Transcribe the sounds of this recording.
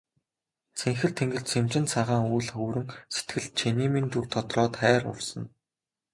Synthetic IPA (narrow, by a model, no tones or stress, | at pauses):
t͡sʰeŋxɘ̆ɮt̪ʰeŋɡɘ̆ɮt͡sʰemt͡ɕɪ̆nt͡sʰaʁaːŋujɮχɵːɾɘ̆ŋset̪ɡɘ̆ɮ̚t͡ɕʰeniːmint̪urt̪ʰɔt̪rɔːt̪χæːɾʊ̰rsə̆n